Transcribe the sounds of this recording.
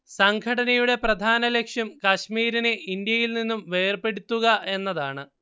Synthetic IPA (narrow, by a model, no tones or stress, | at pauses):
sɐŋɡʰʱɐɽɐnɐjuɽe̞prɐd̪ʱaːnɐle̞kʂjɐmkɐɕmiːɾinɨʔind̪jɐjilninːumʋe̞ːrpe̞ɽut̪ːuɣɐʔe̞nːɐðaːɳɨ